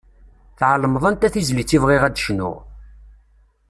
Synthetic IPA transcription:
θʕələmðˤnt̪æθizlit͡sːivʁiʁæd̪ʃnʊ̰ʁ

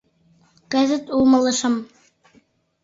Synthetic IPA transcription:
kæzɘt̪ulˠmɤ̆lˠɤ̆ʃɤm

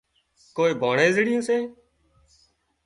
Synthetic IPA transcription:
koːiːbʱoːɳẽːzɽɪjõːseː

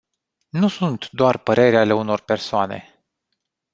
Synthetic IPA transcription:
nusunt̪d̪oarpəɾe̞ɾeale̞uno̞rpe̞rsoane̞̰

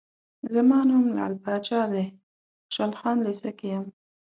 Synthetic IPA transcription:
zəmɑnʊmla̰lpɑt͡ʃɑd̪e | ʃalxɑnlesakejəm

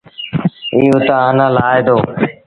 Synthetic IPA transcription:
iːõːt̪aːɦaːnãːlaːed̪oː

